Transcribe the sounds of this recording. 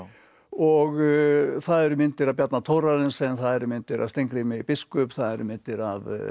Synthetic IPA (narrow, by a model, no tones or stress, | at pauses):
ɔɣθaðɛɾʏmɪnt̪ɪɾaðpjat̪nat̪ʰowɾaɾɪnsɛnθaðɛɾʏmɪnt̪ɪɾa̰st̪ejŋkɾɪmɪipɪskʏpθaðɛɾʏmɪnt̪ɪɾa̰v